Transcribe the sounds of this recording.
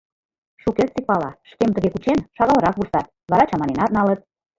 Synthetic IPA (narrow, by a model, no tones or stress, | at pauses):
ʃukert̪t͡sik̚pɑlɑʃkemt̪əɣekut͡ɕenʃɑɣɑlə̆ɾɑkβursɑt̪̚βɑɾɑt͡ɕɑmɑnenɑt̪̚nɑlət̪̚